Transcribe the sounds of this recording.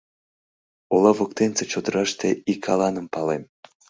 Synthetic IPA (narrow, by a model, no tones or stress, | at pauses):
olɑvok̚t̪ent͡set͡ɕod̪əɾɑʃt̪eikʰɑlɑnəmpɑlem